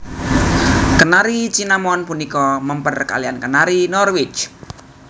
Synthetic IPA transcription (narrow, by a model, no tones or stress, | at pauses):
kənaɾit͡ʃinamɔnpunikɔməmpərka̰liankənaɾinɔrwɪt͡ʃ